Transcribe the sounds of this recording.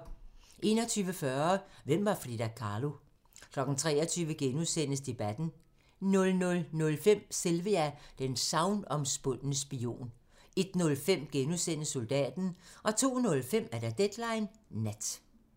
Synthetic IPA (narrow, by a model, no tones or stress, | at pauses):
ʔe̝̰ːnɒ̽t͡sʰyːʋəfɶɐʋem̰ʋɑ̈fʁið̥ækʰɑ̈ːlo̝ | kʰlɒ̽ɡ̥n̩t͡sʰʁɛ̰ːɐt͡sʰyːʋəɡ̥enusen̰əsd̥e̝b̥æd̥n̩ | nɔ̽lnɔ̽lnɔ̽lfem̰selʋəæd̥ensɑ̈ʊnɒ̽msb̥ɔn̰nəsb̥io̝̰ːn | e̝d̥nɔ̽lfem̰ɡ̥enusen̰əsːo̝ld̥ɛ̰ːd̥n̩ʔɒ̽t͡sʰo̝̰ːnɔ̽lfem̰æɐd̥æd̥ed̥lɑ̈ɪnːæd̥